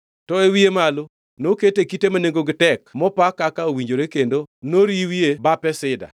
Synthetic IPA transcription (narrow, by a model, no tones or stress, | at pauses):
tɔewiemalo | noketekitemaneŋɡoɡɪtɛkmɔpakakaowiɲd͡ʒoɾekendonoɾiwiebapɛsɪda̰